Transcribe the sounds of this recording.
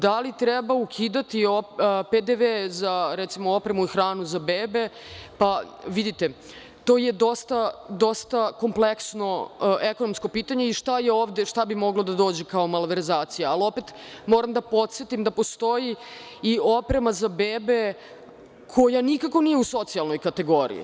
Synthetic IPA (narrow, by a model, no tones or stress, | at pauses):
d̪alit̪ɾɛbaukʰiːd̪at̪ioped̪eʋezaɾɛt̪simoopɾemuixɾaːnuzabeːbe̞ | pa | ʋid̪it̪e | t̪o̞ːjed̪o̞st̪ad̪o̞st̪ako̞mpleksno̞ekono̞msko̞piːt̪aɲeiʃt̪ajeoːʋd̪eʃt̪abimo̞ɡlod̪ad̪o̞ːd͡ʑekao̞malʋeɾzaːt̪sijaːlo̞pet̪ | mo̞ːɾamd̪apo̞t̪t̪sjet̪imd̪apo̞st̪o̞ji | io̞pɾe̞mazabeːbe̞ | kʰo̞janikako̞niːjeuso̞t̪sijalˠnojkat̪e̞ɡo̞ɾḭḭ